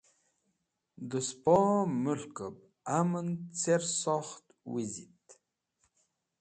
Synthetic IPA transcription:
d̪ɨspɔmɨɬkʼəb̚ | amənt͡sʰersɔχt̪ | wizit̪

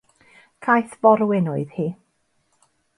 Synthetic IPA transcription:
kʰajθv̥ɔɾwɪnɔɨðhiː

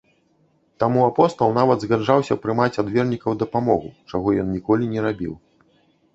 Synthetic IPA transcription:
t̪amuapɔst̪ɐlˠnavɐd̪zɣad͡ʐawsʲɐpɾɨmat͡sʲad̪vʲɛrnʲikɐwd̪ɐpamɔɣut͡ʂaɣɔjɔnnʲikɔlʲinʲɛɾabʲḭw

